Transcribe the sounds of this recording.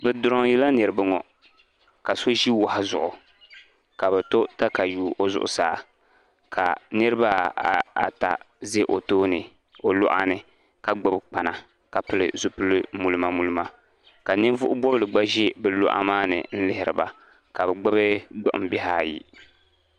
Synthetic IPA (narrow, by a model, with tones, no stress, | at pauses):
bɛ˨dʊ˨ɾɔ˦ŋjɛ˦la˦nɨ˨ɾɨ˨bɨ˦ŋɔ˨ | ka˨so˦ʒi˦wa˨ha˦zʊ̰˨ʔʊ˨ | ka˨bɛ˨to˦ta˦ka˨juː˦ʔo˦zʊ̰˨ʔʊ̰˨saː˨˦˨ | kʰa̰˨nɨ˦ɾɨ˦ba˦˨a̰˨ta̰˨ | ze˦ʔo˨toː˦nɨ˨ | o˨lʊ̰˦ʔa̰˦nɨ˨ | ka˨ɡ͡ba˦bk͡pa˨na˨ | ka˨pɨ˦lɨ̰˨zu˨pɨ˦lɨ˦mu˨lɨ˦ma˨mu˦lɨ˦ma˦ | ka˨nɪ˦vʊ˦ʔʊ˦bɔ˦blɨ˨ɡ͡ba˦ʒɛ˦bɛ˨lo̰˦ʔa̰˦maː˦nɨ̰˨n̩˦lɪ˦ɦɪ˨ɾɨ˨ba̰˨ | ka˨bɛ˨ɡ͡ba˦bɨ˦ɡ͡bʊ̰˦ʔʊ̰̃˦bɛ˦ɦaː˦jḭ˦